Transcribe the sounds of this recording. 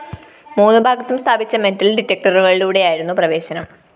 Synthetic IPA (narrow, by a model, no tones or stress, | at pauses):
muːnːɨbʱaːɡɐt̪ːumst̪ʰaːbit͡ɕːɐme̞ntːɐlɖitːɐk̚ʈɐruɣɐɭiluːɽe̞jaːjiɾun̪ːuprɐʋe̞ːɕɐnɐm